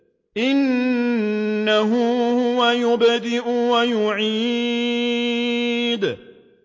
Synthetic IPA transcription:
ʔɪn | aɦʊhʊwajʊbd̪ɪʔʊwajʊʕiː | d̪

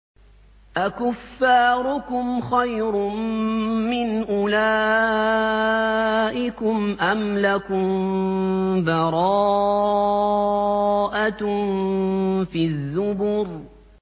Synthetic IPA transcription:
ʔakʊfːaːɾʊkʊmxajɾʊmː | ɪnʔʊlaː | ʔɪkʊmʔamlakʊm | bɑɾˤɑː | ʔa | fiːðːʊbʊːɾ

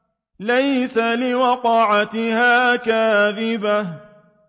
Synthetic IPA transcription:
lajsalɪwɑqɑʕat̪ɪhaːkaːðɪba

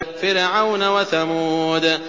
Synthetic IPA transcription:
kfɪɾʕawnawaθamuːd̪

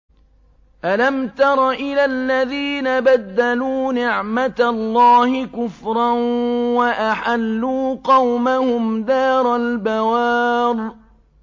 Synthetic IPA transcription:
ʔalamt̪ɑɾˤɑʔɪlalːaðiːnabad̪ːaluːnɪʕmat̪lˤːɑːhɪkʊfɾˤɑnwaʔaħalːuːqɑwmahʊmd̪aːɾˤalbawɑːɾ

